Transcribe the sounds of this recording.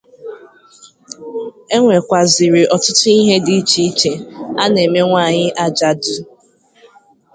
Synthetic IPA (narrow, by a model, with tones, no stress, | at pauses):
e˦ŋʷe˨kʷa˨zɪ˨ɾɪ˨ʔɔ˨tʊ˦tʊ˦i˦ɦe˦di˨˦t͡ʃi˦i˦t͡ʃe˨a˦ne˨me˦ŋʷa˦˨ɲɪ˦ʔa˦d͡ʒa˦dʊ˦